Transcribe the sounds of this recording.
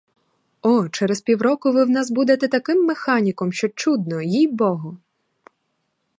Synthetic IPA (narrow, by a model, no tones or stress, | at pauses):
ɔt͡ʃɛɾespʲiwɾɔkʊʋɪwnɑs̬bud̪et̪ɛt̪ɐkɪmːexɑnʲikɔmʃt͡ʃɔt͡ʃud̪nɔjijbɔɦɔ